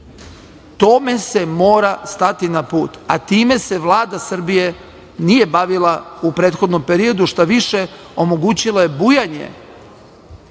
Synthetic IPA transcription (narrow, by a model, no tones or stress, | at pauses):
t̪ome̞se̞mo̞ːɾast̪at̪inapuːt̪a̰t̪iːme̞se̞ʋlˠaːd̪asr̩bije̞ | nije̞baʋilˠaupɾeːt̪xo̞d̪no̞mpe̞ɾio̞d̪uʃt̪aʋiʃe | o̞mo̞ɡuːt͡ɕilˠajebujaɲe̞̰